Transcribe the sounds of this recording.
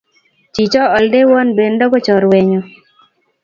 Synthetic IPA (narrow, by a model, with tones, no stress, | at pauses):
t͡ʃi˨t͡ʃɔ˦ɔ˨lde˦wɔ˦nbe˨ndɔ˦ɡɔ˦t͡ʃɔ˨ɾwɛ˨ɲɔ˨